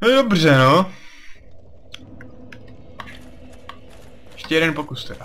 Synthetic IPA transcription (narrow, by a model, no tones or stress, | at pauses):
nodobr̝ɛno | jɛʃcɛjɛɾɛnpokust̪ɛda